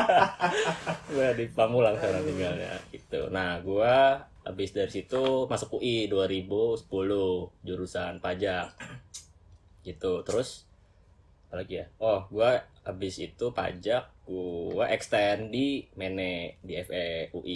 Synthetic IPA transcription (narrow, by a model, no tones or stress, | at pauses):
ɡuadipamulaŋsaɾaŋt̪iŋɡalja̰ɡit̪ṵnahɡua | ha̰bɪsdaɾisit̪umasʊkuʔiduaɾibusə̥pulʊd͡ʒuɾusanpad͡ʒak̚ | ɡ̥it̪ut̪əɾʊs | alakijaɔhɡuaabɪsit̪upa̰d͡ʒak̚ɡuaʔɛkst̪andimenɛdiɛfɛuʔi